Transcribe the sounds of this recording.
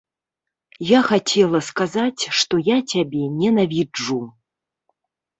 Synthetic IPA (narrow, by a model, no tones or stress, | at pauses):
jaxat͡sʲʰɛlˠɐskazat͡sʲʂt̪ɔjat͡sʲabʲɛnʲɛnavʲid͡ʐːu